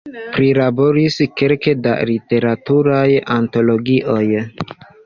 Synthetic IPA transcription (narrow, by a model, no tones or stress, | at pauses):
pɾilabo̞ɾiske̞lke̞da̰lite̞ɾatuɾajanto̞lo̞ɡiʔo̞j